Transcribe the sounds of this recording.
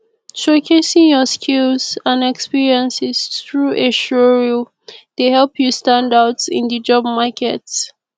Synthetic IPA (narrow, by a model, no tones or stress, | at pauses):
tʰɹokʰesĩŋjɔskʰilzãnɛkspiɹiə̃nsɛsθɹuʔeʃɔɹil | d̥ehɛlpʰjustãndatsɪ̰̃ndəd͡ʒɔb̚makɛt